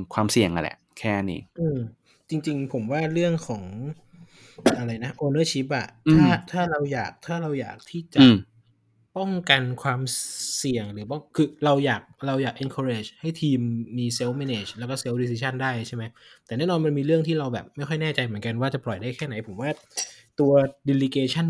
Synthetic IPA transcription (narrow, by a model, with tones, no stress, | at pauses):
kʰwaː˧msi˨˩əŋʔa˧lɛ̰˨˩ | kʰɛː˥˩nḭː˦˥ʔɯː˧m | t͡ɕi˧ŋt͡ɕi˧ŋpʰo˩˦mwaː˥˩ɾɯ˥˩əŋkʰɔː˩˦ŋ | ʔa˧ɾa˧jna˦˥ʔoː˧nɤː˥˩t͡ɕʰi˦˥p̚ʔa̰˨˩tʰaː˥˩t̪ʰaː˥˩ɾa˧wjaː˨˩k̚t̪ʰaː˥˩ɾa˧wja̰ː˨˩k̚t̪ʰiː˥˩t͡ɕa˨˩˧ | pɔ˥˩ŋka˧nkʰwaː˧msi˨˩əŋɾɯː˩˦pɔ˥˩ŋkʰɯː˧ɾa˧wjaː˨˩k̚ɾa˧wjaː˨˩k̚ʔe˧nkʰo˧ɾeː˧˩t͡ɕha˥˩jt̪ʰiː˧mːiː˧se˦˥wme˧neː˨˩t͡ɕlɛː˦˥kɔː˥˩se˦˥wdiː˧s̬iː˧t͡ɕʰa˥˩ndaː˥˩jt͡ɕʰa˥˩ma˦˥jt̪ɛː˨˩nɛː˥˩nɔː˧nma˧nmiː˧ɾɯ˥˩əŋt̪ʰiː˥˩ɾa˧wbɛ̰ː˨˩p̚ma˥˩jxʰɔ˥˩jnɛː˥˩t͡ɕa˧jmɯ˩˦ənka˧nwaː˥˩t͡ɕa˨˩plɔ˨˩jdaː˥˩jkʰɛː˥˩na˩˦jpʰo˩˦mwaː˥˩t̪u˧ɐdi˧li˧keː˧t͡ɕʰa˥˩n